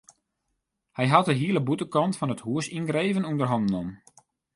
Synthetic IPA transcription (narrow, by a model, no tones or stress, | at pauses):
hɛjɦɑt̚dəɦiələbutəkɔntfɔnəthuəsinɡreːvənundərɦɔndənɔm